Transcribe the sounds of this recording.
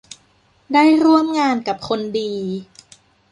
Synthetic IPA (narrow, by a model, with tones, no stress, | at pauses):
daː˥˩jɾu˥˩əmŋaː˧nka˨˩p̚kʰo˧ndiː˧